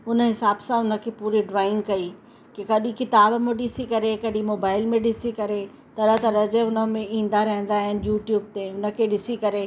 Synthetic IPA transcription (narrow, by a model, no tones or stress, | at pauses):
ʊnə̆ɦɪsaːbsãʊnə̆kʰepuːɾiɖɾaːɪ̃ŋɡkɐiː | kekɐɗĩkɪt̪aːbmẽɗɪsikɐɾekɐɗĩmoːbaːɪlmẽɗɪsikɐɾe | t̪ɐɾət̪ɐɾɐd͡ʑeʊnə̆mẽĩːn̆d̪aɾɐɦɪ̃n̆d̪aːɦɪnɪ̆juːʈjuːb̚t̪eʊnə̆kʰeɗɪsikɐɾe